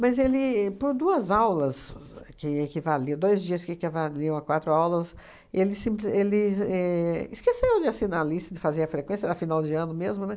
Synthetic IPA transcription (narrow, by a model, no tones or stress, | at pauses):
mɐzelɪpoɾd̪uɐzawlɐskɪekivalĩd̪ojzd͡ʒiɐskɪekivaliɐ̃ɐkwat̪ɾʊawlɐs | elɪsĩplɪelɪɛɪskesewd͡ʒɪasĩnalist̪ɐd͡ʒ̪ɪfazeɾɐfɾekwẽsjɐd̪ɐfinawd͡ʒɪɐ̃nʊmezmʊnɛ